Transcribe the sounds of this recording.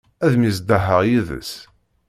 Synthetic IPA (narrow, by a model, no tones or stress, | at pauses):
æðmisd̪əɦəʁjiðə̰s